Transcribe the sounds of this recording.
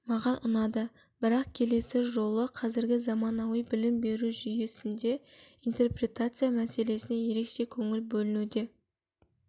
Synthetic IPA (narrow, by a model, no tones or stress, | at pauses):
mɑʁɑnʔʊnɑd̪ə | b̥ɪɾɑq̚kʲʰe̞le̞sɪʒo̞lˠəqʰɑzɪɾɡʲɪzɑmɑnɑwijbɪlɪmbe̞ɾuʒʏje̞sɪnd̪e̞ijnt̪e̞rpre̞t̪at̪sɨjamæse̞le̞sɪne̞je̞ɾe̞kʃe̞kʲʰɵŋɪlbɵlɪnud̪e̞